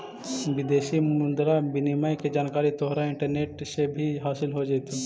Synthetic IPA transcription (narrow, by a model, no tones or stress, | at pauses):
ʋɪd̪eːʃimʊnd̪ɾabɪnimaːjked͡ʒaːnkaːɾit̪ɔɦɾaɪ̃ɳʈəɾneːʈsebʱiɦaːsɪlɦod͡ʒaɪt̪e